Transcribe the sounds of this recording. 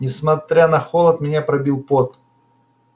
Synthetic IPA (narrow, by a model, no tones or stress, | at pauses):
nʲɪsmɐt̪ɾʲanɐxolˠət̪mʲɪnʲapɾɐbʲilˠpot̪